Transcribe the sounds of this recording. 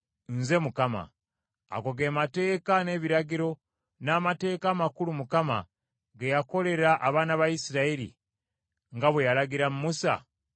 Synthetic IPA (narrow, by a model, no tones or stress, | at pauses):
nze̞mukama̰ː | koɡeːmate̞ːkane̞βiɾaɡiɾo̞ | naːmate̞ːkaːmakulumukama̰ | ɡejako̞le̞ɾaʔaβaːnaβaisiɾaiɾḭ | ŋɡaβwejaɾaɡiɾamumusa̰